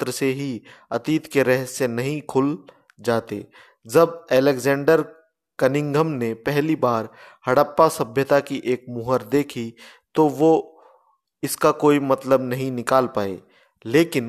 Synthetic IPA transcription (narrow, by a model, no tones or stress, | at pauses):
t̪ɾəseɦiɐt̪iːt̪keɾɛɦenɐɦĩkʰʊl | d͡ʒaːt̪ḛː | d͡ʒɐbɛːlekzɛ̃ːɳɖəɾ | kɐnɪ̃ŋɡʱəmnepɛɦlibaːɾ | hɐɽəpːasɐbʱjət̪akiʔeːk̚mʊɦəɾd̪eːkʰi | t̪oʋo | ɪskakoːimɐt̪ləbnɐɦĩnɪkaːlpaːḛː | leːkɪn